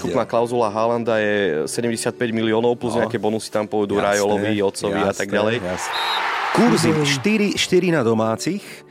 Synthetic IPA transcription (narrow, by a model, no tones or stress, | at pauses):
kupnaːklaʊzulaɦaland̪ajɛsɛɟɛmɟɛsɪat̪̚pɛɟmiliɔːnɔʊpluzɲɛakɛːbɔnusi̥t̪ampɔʋɛd̪uːɾajɔlɔʋiɔt̪t͡sɔʋiat̪aɡɟalɛj | kuɾziʃt̪iɾiʃt̪iɾinad̪ɔmaːt͡six